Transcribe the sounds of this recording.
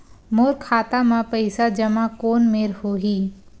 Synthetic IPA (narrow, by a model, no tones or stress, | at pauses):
moːɾkʰaːt̪amãpəɪsad͡ʒɐmakoːnmeːɾhoːɦiː